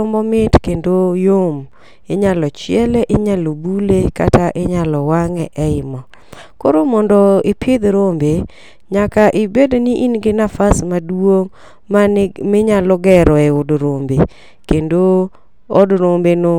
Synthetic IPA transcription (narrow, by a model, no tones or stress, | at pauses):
ɔmbɔmɪtkendojom | eɲalɔt͡ʃɪɛlɛʔɪɲalobuleka̰taʔɪɲalɔwaŋɛʔɛɪmɔ | koɾomɔndɔɪpʰɪd̪ɾombe | ɲakaʔɪbedoniʔinɡɪnafasmadwoŋ | mamɪɲalɔɡɛɾɔɛʊdɾombe | kendo | odɾombeno